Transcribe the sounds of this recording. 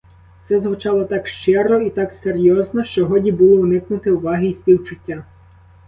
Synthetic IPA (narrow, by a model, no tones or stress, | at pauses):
t̪sɛzɦʊt͡ʃɑlˠɔt̪ɑkʃt͡ʃɪɾɔit̪ɑkseɾjɔznɔʃt͡ʃɔɦɔdʲibulˠɔʊnɪknʊt̪ɪʊʋɑɦɪispʲiwt͡ʃʊtʲːa